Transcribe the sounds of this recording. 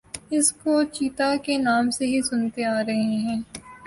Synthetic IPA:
ɪskot͡ʃiːt̪akenaːmseɦisʊnt̪eaːɾɐɦeɦɛ̃ː

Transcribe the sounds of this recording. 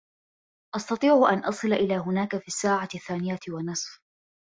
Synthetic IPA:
ʔɑst̪ɑt̪ˤiːʕʊʔanʔɑsˤɨlʔɪlaːɦʊnaːkafiːsːaːʕaθːaːnɪjawanɨsˤf

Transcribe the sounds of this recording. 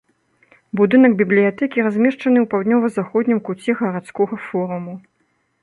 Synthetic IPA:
bud̪ɨnɐɡbʲiblʲijat̪ɛkʲiɾazʲmʲɛʂt͡ʂɐnɨwpawd̪nʲɔvɐzaxɔd̪ʲnʲimkut͡sʲɛɣɐɾat̪skɔɣɐfɔɾumu

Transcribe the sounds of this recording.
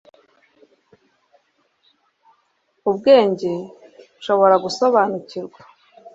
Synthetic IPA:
ubɡe̞ːɲɟeuʃo̞βo̞ɾaɡuso̞βaːnuciɾɡwḁ

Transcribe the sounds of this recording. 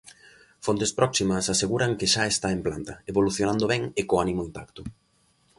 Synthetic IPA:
font̪espɾɔksimɐsaseɣuɾɐŋkɪʃaest̪aemplant̪ɐeβoluθjonand̪oβɛŋekoanimoimp̪akt̪ʊ

